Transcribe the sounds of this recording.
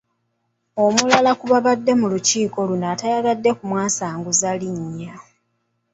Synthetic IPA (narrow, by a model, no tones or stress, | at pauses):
o̞mulalakuβaβadːe̞muluciːko̞lunaːtajaɣadːe̞kumwaːsaːŋɡuzaliɲːa